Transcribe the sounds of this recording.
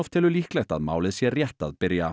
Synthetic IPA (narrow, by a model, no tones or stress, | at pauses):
ɔft̪ʰɪlɔliːklɛt̪ɑt̪ma̰wləsjeːɾjɛt̪ɑ̰ðbɪɾjɑ